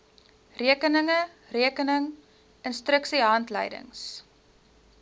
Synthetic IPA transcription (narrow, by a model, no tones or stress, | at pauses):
riəkənəŋə | riəkənəŋ | ənstɾəksiɦɐntlə̰jdə̰ŋs